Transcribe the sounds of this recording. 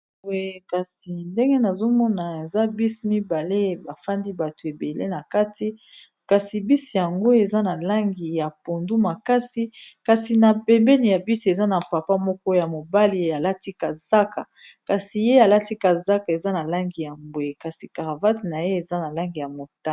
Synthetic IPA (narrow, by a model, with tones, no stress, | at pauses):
o˨ka˨si˨nde˦ŋɡe˦na˨zo˦mɔ˦na˨e˨za˦bi˦si˨mi˦ba˨le˦ba˨fa˦ndi˦ba˨to˨e˨be˨lḛ˦na˨ka˦tʰi˦ | ka˨si˨bi˦si˨ja˨ŋɡo˦e˨za˦na˨la˦ŋɡi˨ja˨po˨ndu˦ma˨ka˦si˦ka˨si˨na˨pɛ˨mbɛ˦ni˨ja˨bi˦se˨za˦na˨pa˨pa˦mɔ˦kɔ˦ja˨mo˨ba˦li˨a˨la˦ti˦ka˨za˦ka˨ | ka˨si˨je˦a˨la˦ti˦ka˨za˦ka˨e˨za˦na˨la˦ŋɡi˨ja˨mbwe˨ka˨si˨ka˨ʁa˨va˦tna˨je˦e˨za˦na˨la˦ŋɡi˨ja˨mo˨ta˦